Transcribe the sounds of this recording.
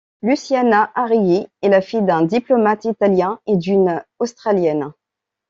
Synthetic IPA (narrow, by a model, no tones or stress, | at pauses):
lysjanaʔaʁijiɛlafijd̪ɛ̃d̪iplɔmat̪it̪aljɛ̃ed̪ynost̪χaljɛn